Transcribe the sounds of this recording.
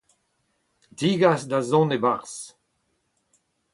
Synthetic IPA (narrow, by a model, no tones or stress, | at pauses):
diːɡasd̪azɔ̃nebaʁs